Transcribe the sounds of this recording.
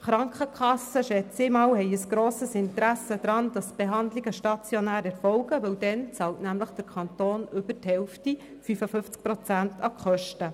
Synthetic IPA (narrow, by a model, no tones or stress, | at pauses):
χɾɑŋkχəkʰχɑsːəʃɛt͡semɑːwhɛɪəsɡ̥ɾoːsəsɪnt̪əɾæsəd̪̥ɾɑndɑsb̥eɦɑnd̪liɡəʃtɑt͡sjonæːɾɛɾfɔwɡəʋɵwdɛnt͡sɑːltnæmləχd̥əɾkʰɑnt̪oːnʏb̥əthɛwfti | fyfəfʏft͡sk̚pɾɔt͡sæntʰɑkχœʃtə